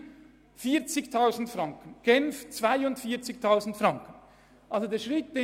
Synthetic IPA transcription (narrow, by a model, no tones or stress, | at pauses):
fiːt͡sɪçtʰaʊzn̩tfraŋkənɡ̥ɛnft͡sv̥aɪʊntfiːɐt͡sɪçtʰaʊzn̩tfraŋkən | ʔalzodeːɐʃʁɪt̚d̥e